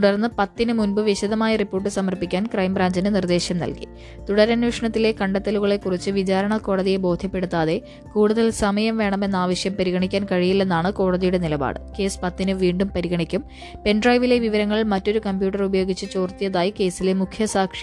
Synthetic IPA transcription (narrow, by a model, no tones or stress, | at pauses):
t̪uɽɐrnːɨpɐt̪ːinɨmunbɨʋiɕɐðɐmaːjɐripːo̞ːrʈ̬ːɨsɐmɐrpikʲːaːnkrɐjmbraːɲd͡ʑinɨnird̪e̞ːɕjɐmnɐ̰lkḭ | t̪uɽɐɾɐnuːʂɐɳɐt̪ːile̞kɐɳɖɐt̪ːɐluɣɐɭe̞kːurit͡ɕːɨʋit͡ɕaːɾɐɳɐko̞ːɽɐðijebo̞ːd̪ʱjɐpːe̞ɽut̪ːaːðe̞ | kuːɽuðɐlsɐmɐjɐmʋe̞ːɳɐme̞nːaːʋɐɕjɐmpɐɾiɣɐɳikʲːaːnkɐɻijilːe̞nːaːɳɨko̞ːɽɐðijuɽe̞nilɐba̰ːɽɨke̞ːspɐt̪ːinɨʋiːɳɖumpɐɾiɣɐɳikʲːum | pe̞nɖrɐjʋile̞ʋiʋɐɾɐŋːɐɭmɐtːo̞ɾukɐmpjuːʈːɐrubɐjo̞ːɡit͡ɕːɨt͡ɕo̞ːrt̪ijɐðaːjike̞ːsilemukʰjɐsaːkʂi